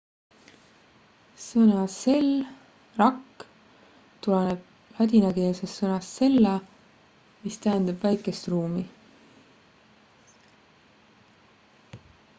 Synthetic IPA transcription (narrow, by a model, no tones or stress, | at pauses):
sɤnɑse̞l | rɑkː | t̪uleneb̥̚ | lɑd̪ʲinɑke̞ːlsesːɤnɑst̪se̞lːɑ | mist̪æɦend̪̥ɑb̥væjkːˑe̞st̪ruːmi